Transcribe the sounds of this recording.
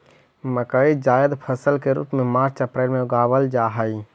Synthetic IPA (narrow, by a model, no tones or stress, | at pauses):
məkəid͡ʒaːjəd̪pʰəsəlkeɾṵːpmẽmaːɾt͡ʃəpɾeːlmẽʊɡaːʋəld͡ʒaːɦai